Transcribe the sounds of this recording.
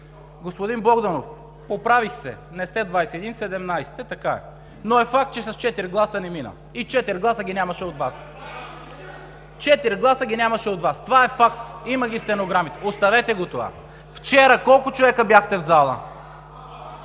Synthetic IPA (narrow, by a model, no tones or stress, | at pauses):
ɡospod̪inblˠɔɡd̪ɐnof | popɾavixsɛ̰ | nɛst̪ɛd̪vajsɛɛd̪insɛd̪ɛmnajsɛ̥t̪ɛt̪ɐkaɛ̰ | noɛfak̚t̪̚t͡ʃɛsɐst͡ʃɛt̪iɾɡlˠasənɛminə̰ | it͡ʃɛt̪iɾɡlˠasəɡʲinʲamɐʃɛot̪vas | t͡ʃɛt̪iɾɡlˠasəɡʲinʲamɐʃɛot̪vast̪ovaɛfakt̪iməɡʲist̪ɛnoɡɾamit̪ost̪ɐvɛt̪ɛɡot̪ova̰ | ft͡ʃɛɾəkɔlˠkʊt͡ʃovɛkəbjaxt̪ɛvzalˠə̰